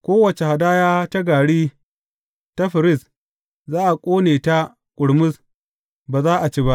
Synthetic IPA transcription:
kʷoː˦wɐ˨t͡ʃe˨ha˨daː˦jaː˦ta˦ɡaː˨ɽiː˦ | ta˦ɸɪ˨ɾɪ˦˨s | zaː˦ʔa˨kʷʼoː˦neː˨ta˦ | kʷʼʊ˨ɽmʊ˦s | baː˨zaː˦ʔa˨t͡ʃeː˦ba˦ʔ

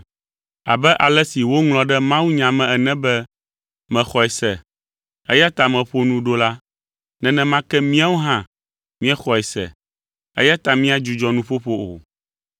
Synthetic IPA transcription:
a̰˨bɛ˦ʔa˨lɛ˦si˨wo˦ŋl̃ɔ̃˨ɖɛ˦mã˦wu˦ɲã˨mɛ̃˨ɛ˨nɛ̃˦bɛ˦ | mɛ̃˨xɔ˨ɛ˨sɛ̰˨ | ɛ˦ja˦t̪a˨mɛ̃˨ɸo˦nũ˦ɖo˦la˦ | nɛ̃˨˦nɛ̃˦mã˦kɛ˦mĩ˦a˦wo˦ɦã˦˨ | mĩ˦ɛ˦xɔ˨ɛ˨sɛ̰˨ | ɛ̰˦ja˦t̪a˨mĩ˦a˦d͡ʒu˨d͡ʒɔ˦nũ˦ɸo˦ɸo˦o̰˨

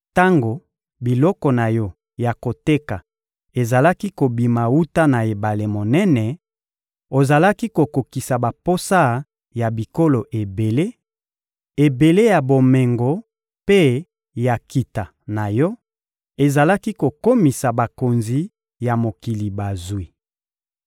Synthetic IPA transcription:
ta˦ŋɡo˨ | bi˨lɔ˦kɔ˨na˨jɔ˦ | ja˨ko˨te˦ka˨ | e˨za˨la˦ki˦ko˨bi˨ma˨wu˦ta˦na˨e˨ba˨le˨mo˨nɛ˦nɛ˨ | o˨za˨la˦ki˦ko˨ko˨ki˨sa˨ba˨po˦sa˦ | ja˨bi˨ko˦lo˨ʔe˨be˨le˦ | e˨be˨le˦ja˨bo˨me˨ŋɡo˨ | pe˦ | ja˨ki˨ta˨ | na˨jɔ˦ | e˨za˨la˦ki˦ko˨ko˦mi˨sa˨ba˨ko˨nzi˨ | ja˨mo˨ki˨li˨ba˨zwi˨

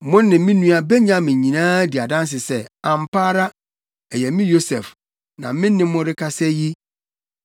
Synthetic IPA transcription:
mʊ̃˦nː˦ɪ̃˨˦mɪ̃˦nũ˦a˨be˦ɲã˦mɪ̃˨ɲĩ˨nãː˦di˨a˨dã˦n˦s̬ɪ˨sɛ˦ã˨m˨pa˦ɾa˦ | ɛ˨jɛ˨mɪ̃˦jo˦sɛ˨f | nã̰˨mɪ̃˦nːɪ̃˦mʊ̃˦ɾɪ˦kʰa˦sɛ˦ji˦

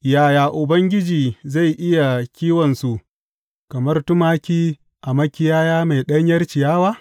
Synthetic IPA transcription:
jaː˨jaː˨ʔʊ˨bɐ˦ŋɡʲɪ˦d͡ʒiː˨za˦˨jʔɪ˦ja˨kʲiː˦wɔ˨nsu˨ʔ | kɐ˨mɐ˦rtʊ˦maː˦kʲiː˦ | ʔa˨mɐ˦kʲɪ˦jaː˦jaː˦ma˨jɗɐ˦ɲjɐ˦rt͡ʃɪ˨jaː˦waː˦

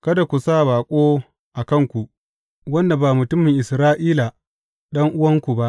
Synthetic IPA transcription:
kɐ˦da˨kʷu˨saː˦˨baː˨kʷʼoː˦ | ʔa˨kɐ˦ŋkʷu˨ | wɐ˦nda˨baː˨mʊ˨tʊ˦mɪ˨ŋʔɪ˨sɾaː˦ʔiː˦la˨ | ɗɐ˦ŋʔʊ˦wɐ˦ŋkʷu˨ba˦ʔ

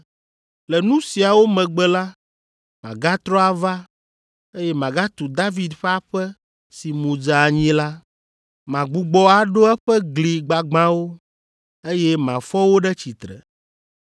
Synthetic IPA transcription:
lɛ˨nũ˦si˨a˨wo˦mɛ̃˨ɡ͡bɛ˨la˦ | mã˨ɡa˦t̪ɾɔ˦a˨va˦ | e˦jɛ˦mã˨ɡa˦t̪u˨d̪a˦vi˨d̪ɸɛ˦a˦ɸɛ˦ | si˨mũ˨d͡ʒa˨a˨ɲĩ˦la˦ | mã˨ɡ͡bu˨ɡ͡bɔ˦a˨ɖo˦ɛ˦ɸɛ˦ɡli˨ɡ͡ba˨ɡ͡bã˦wo˦ | e˦jɛ˦mã̰˨fɔ˦wo˦ɖɛ˦t͡ɕi˨t̪ɾɛ̰˨

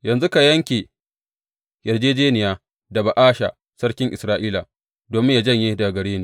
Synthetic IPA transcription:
jɐ˨nzu˦ka˨jɐ˦ŋkʲeː˨ | jɐ˨rd͡ʒeː˦d͡ʒeː˦nɪ˨jaː˦ | da˨ba˨ʔaː˦ʃa̰˨ | sɐ˦ɽkʲɪ˦ŋʔɪ˨sɾaː˦ʔiː˦laː˨ | doː˨mɪ˦ɲja˨d͡ʒɐ˦˨ɲji˦da˨ɡɐ˨ɽeː˦niː˨˦

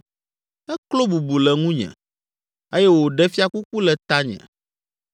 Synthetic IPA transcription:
ɛ˦klo˦bu˨bu˨lɛ˨ŋũ˦ɲɛ̰̃˨ | e˦jɛ˦wo˨ɖɛ˦fi˦a˦ku˦ku˦lɛ˨t̪a˦ɲɛ̰̃˨

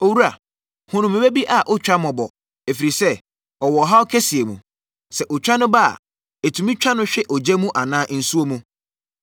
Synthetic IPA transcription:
o˨wu˦a˨ | hʊ̃˦nʊ̃˨mɪ̃˨be˦bi˦ʔa˨ʔʊ˦t͡ɕᶣɾa˦mɔ̃˨bɔ˨ | e˨fi˨ɾi˨sɛ˦ | ɔ˨wɔ˨ɦa˦ɔ˦kʰɛ˦si˨e˨mṵ̃˨ | sɛ˨ʔʊ˨t͡ɕᶣa˦nʊ̃˦ba˦a̰˨ | e˨tʰũ˨mĩ˦t͡ɕᶣa˦nʊ̃˦ɕᶣɛ˦ʔɔ˨d͡ʑɛ˦mũ˦ʔa˨nãː˦n̩˨su˦o˦mũ˦

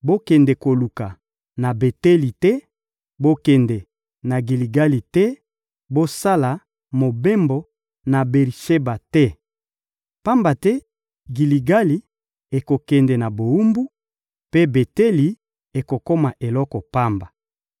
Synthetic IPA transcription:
bo˦kɛ˨ndɛ˨ko˨lu˨ka˨ | na˨be˨tɛ˦li˨tɛ˦ | bo˦kɛ˨ndɛ˨ | na˨ɡi˨li˨ɡa˦li˨tɛ˦ | bo˦sa˦la˨ | mo˨be˦mbɔ˨ | na˨bɛ˨ʁi˨ʃe˦ba˨tɛ˦ | pa˦mba˨tɛ˦ | ɡi˨li˨ɡa˦li˨ | e˨ko˨kɛ˨ndɛ˨na˨bo˨u˦mbu˦ | pe˦be˨te˦li˨ | e˨ko˨ko˦ma˨ʔe˨lɔ˦kɔ˨pa˦mba˨

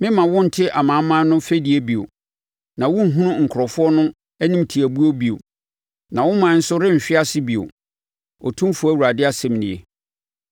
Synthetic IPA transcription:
mɪ̃˦mã˨wʊ̃˦n̩˨tʰɪ˦ʔa˨mã˨˦mã˦nʊ̃˦fe˦di˨e˦bi˨o̰˨ | nã˨wʊ̃˦ɦũ˦nʊ̃˦ŋ̩˨kʰɾɔ˨fʊ˦ɔ˦nʊ̃˦ | æ˦nĩ˦mtʰi˨æ˨bu˦o˦bi˨o̰˨ | nã˨wʊ̃˦mã˨˦n̩˦sʊ˦ɾɪ̃˦m̩˨ɕᶣɪ˦a˦sɪ˦bi˨o̰˨ | ɔ̰˨tʰũ˦fʊ˦æ˦˨wu˨ɾa˨dɪ˦a˦sɛ̃˨mnɪ̃˨e˨

